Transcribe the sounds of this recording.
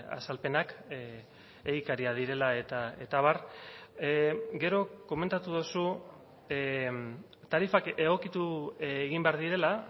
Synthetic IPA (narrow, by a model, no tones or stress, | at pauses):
a̰salpe̞nak | eɣikaɾiað̞iɾe̞lae̞t̪ae̞t̪aβ̞ar | ɡe̞ɾo̞ko̞me̞nt̪at̪uð̞osu | t̪aɾifake̞ɣo̞kit̪ueɣimbe̞aɾðiɾe̞la